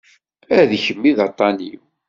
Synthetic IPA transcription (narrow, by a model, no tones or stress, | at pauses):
æðçəmːiðɑt̪ˤːɑnḭw